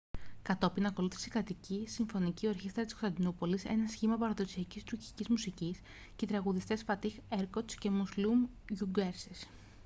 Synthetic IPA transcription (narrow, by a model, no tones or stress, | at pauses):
kɐt̪o̞pinɐko̞luθi̥sikɾɐt̪icisiɱfo̞nicioɾçist̪ɾɐt̪iskost̪ɐnd̪inupo̞lise̞̰nɐsçimɐpɐɾɐðo̞siɐcist̪uɾci̥cizmusicis | cet̪ɾɐɣuðist̪e̞sfɐt̪ixe̞ɾkot̪sce̞muslum | ʝuɡeɾses